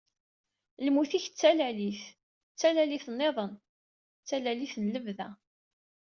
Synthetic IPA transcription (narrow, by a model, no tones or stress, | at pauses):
lmuθiçt͡sːælæliθ | t͡sːælæliθnːeðˤən | t͡sːælæliθənləvðæ